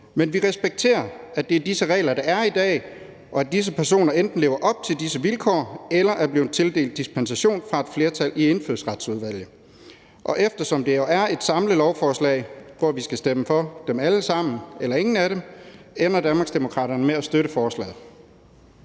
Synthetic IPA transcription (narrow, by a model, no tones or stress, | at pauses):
menʋiʁɛsb̥eɡ̥̚t͡sʰe̝̰ːɐæd̥e̝æɐd̥isəʁɛ̰ːlɐd̥ɑ̈æɐid̥ɛ̰ː | ʔɒ̽æd̥is̬əpʰæɐso̝̰ːnɐend̥n̩le̝ːʊɐʔɒ̽b̥̚t͡sʰe̝ldisəʋilkʰɒ̰ːelɐʔæɐb̥lḭːt͡sʰe̝lde̝̰ːld̥ːisb̥ʰensæɕo̝̰ːnfʁɑ̈e̝d̥fle̝ːɐt͡sʰælʔie̝nføð̰ˠsʁɑd̥suð̞ˠʋæl̰jə | ʔɒ̽ʔefd̥ɐsɒ̽md̥e̝joæɐe̝d̥sɑ̈mləlɒʊfɒːslɛ̰ɪʋɒʋisɡ̥æsd̥eməfɒ̽d̥emæləsɑ̈m̰n̩elɐe̝ŋn̩æɾem | enɐd̥ænmɑ̈ɡsd̥emo̝kʰʁɑ̰ːɾɐnəmeæsd̥øɾəfɒːslɛ̰ːð̩ˠ